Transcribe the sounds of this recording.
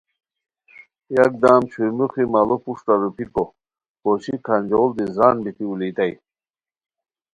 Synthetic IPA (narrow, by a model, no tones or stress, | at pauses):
jak̚d̪aːmt͡ɕʰuɾmuχimalopuʂʈaɾupiko | poɕikʰand͡ʑold̪izanbit̪iulit̪aj